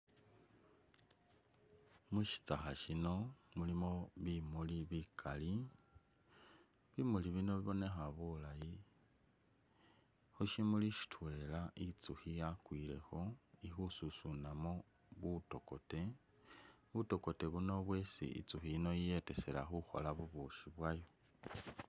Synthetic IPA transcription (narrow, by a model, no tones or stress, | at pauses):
muʃi̥t͡saxaʃino̞mulimo̞βimuliβikʰali | βimuliβino̞βiβo̞ne̞xaβulaji | xuʃimuliʃi̥tʰwe̞laʔit͡suxijakwiːle̞̰xo̞ixususunamo̞ | βuto̞ko̞te̞ | βuto̞ko̞te̞βuno̞βwe̞sḭḭt͡suxiːno̞ije̞te̞se̞la̰xuxo̞̰laβuβuʃiβwajo